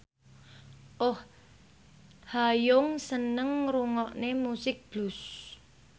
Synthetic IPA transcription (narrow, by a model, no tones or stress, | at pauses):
ʔʊh | hajʊŋsənəŋɾuŋɔʔnemusɪk̚b̥lus